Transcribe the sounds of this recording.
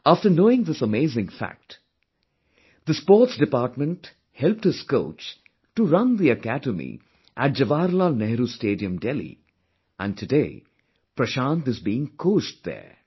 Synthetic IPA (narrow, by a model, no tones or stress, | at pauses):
afʈənoːɪ̃ŋd̪ɪsəmeɪzɪ̃ŋfæ̰k̚ʈ | d̪əspɔːɾʈsdɪpaːɾʈmə̃nʈ | hɛlp̚ʈ̚hɪz̥ko̰ʊt͡ʃ | ʈuɾʌ̃nd̪iəkædəmḭ | ʔæʈ̚d͡ʒɐʋaːɾlaːlnɛɦɾusʈeːɖiə̃mɖɛlḭ | ʔæ̰̃nɖ̚tʰɨdeː | pɾəʃãːntɨzbiɪ̃ŋkʰoːʃʈ̚d̪ɛ̰ː